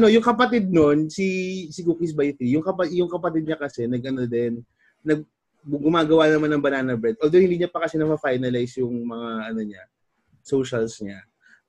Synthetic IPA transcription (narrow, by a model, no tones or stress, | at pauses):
ʔɐno̞jʊŋkɐpɐt̪ɪd̪̚no̞nsisɪkukis̬bajt̪ɾijʊŋkɐpɐjʊŋkɐpɐt̪ɪd̪̚ɲɐkɐsɛnɐɡ̚ʔɐno̞d̪ɛnː | ɐɡ̚ | ɡʊmaːɡɐwanɐmanːɐŋbɐnaːnɐbɹɛd̪ʔold̪owhɪnd̪iːɲapɐkɐsɛnɐpɐfajnɐlajsjʊŋmɐŋaʔɐno̞ɲa | so̞wʃɐlsɲa